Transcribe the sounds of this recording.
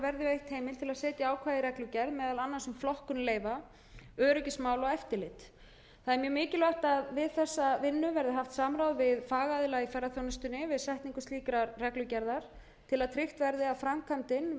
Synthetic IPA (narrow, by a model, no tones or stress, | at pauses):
vɛɾðɪvejht̪heːjmɪlt̪ʰɪlaðsɛːt̪jaaːwkʰvaːðɪɾɛklʏcɛɾðmɛːðalanːasɛmflɔhkʏnleːjva | œːɾʏcɪsmaːwlɔɣɛft̪ɪlɪt̪ | θaðɛɾmjœːmɪːcɪlœht̪aðvɪðθɛsːavɪnːʏvɛɾðɪɦaft̪saːmɾawðvɪðfaːɣaðɪlaifɛrːaθjownɪst̪ʏnːɪvɪðsɛht̪niŋkʏsiːkɾarɛklʏcɛɾðaɾ̥ | t̪ʰɪlaðt̪ʰɾɪht̪vɛɾðɪafɾamkʰamt̪ɪn